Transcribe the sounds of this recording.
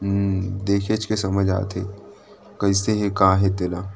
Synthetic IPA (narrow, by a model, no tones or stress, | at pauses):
ɦd̪eːkʰet͡ʃkesɐməd͡ʒʱa̰ːt̪ḛ | kɐiseɦekaːɦɛt̪ɪlaː